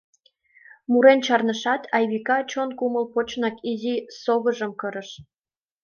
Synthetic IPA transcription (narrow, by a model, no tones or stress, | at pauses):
muɾent͡ɕɑrnəʃɑt̪ɑjβikɑt͡ɕonkuməlpot͡ɕnɑkizisoɣəʒəmkəɾəʃ